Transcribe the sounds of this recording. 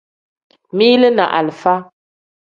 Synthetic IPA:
mi˦lə˦na̰˨ʔa̰˨lfa˦

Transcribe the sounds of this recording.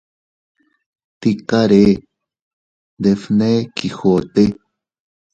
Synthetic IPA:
t̪ikaɾe˦ | d̪efne˦kixo˨t̪e˦

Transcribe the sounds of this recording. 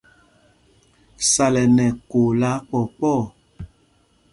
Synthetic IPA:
sa˨lɛ˨nɛ˨ko˨la˨˦k͡pɔ˨k͡pɔ˦˨

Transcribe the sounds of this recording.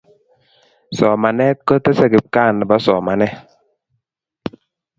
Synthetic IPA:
sɔ˨ma˨nɛ˦kːə˦te˦sɛ˨ɡɪ˨p̚ka˦˨n˨ba˦sɔ˨ma˨nɛ˦

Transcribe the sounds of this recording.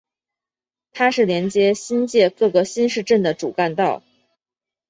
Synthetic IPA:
t̪ʰa˥ʂɻ̩˥˩ljɛ˧˥nt͡ɕjɛ˧˥ɕi˥nt͡ɕjɛ˥˧kɤ˥˩ɡə˩ɕi˥nʂɻ̩˥˧ʈ͡ʂə˥˩nd̪ə˩ʈ͡ʂṵ˨˩ka˥˧nt̪ɑ˥˩ʊ

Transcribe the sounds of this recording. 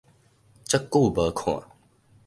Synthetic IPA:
t͡ʃə˦kːu˥˨bə˨˦kʰwã̰˨

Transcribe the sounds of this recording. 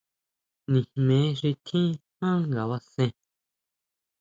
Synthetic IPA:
nĩ˨mẽ˨˦ʂi˧t̪ʰĩ˦hã˦ŋɡa˨βa˧sẽ˧

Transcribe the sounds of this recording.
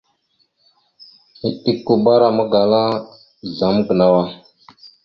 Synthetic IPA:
i˦ɗi˦kːu˨ba˦ɾa˨mə˦ɡa˨la˦ | ɮa˨m˦ɡə˨na˦wa˦

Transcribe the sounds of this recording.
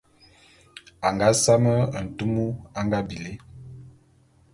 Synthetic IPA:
a˨ŋɡa˦sa˦mə˦˨n̩˨tu˦mu˦a˦ŋɡa˦bi˨le˦

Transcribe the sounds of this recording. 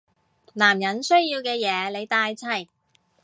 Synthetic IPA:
laː˨˩mjɐ˨˥nsɵ˥ɥjiː˧wkɛː˧jɛː˨˧le˨˧jt̪aː˧jt͡sʰɐ˨˩j

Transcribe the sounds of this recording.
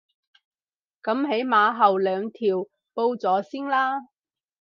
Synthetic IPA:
kɐ˨˥mɦe˨˥jmaː˨˧ɦɐ˨wlœː˨˧ŋt̪ʰiː˨w | po˧wt͡sɔː˨˥si˥ŋlaː˥

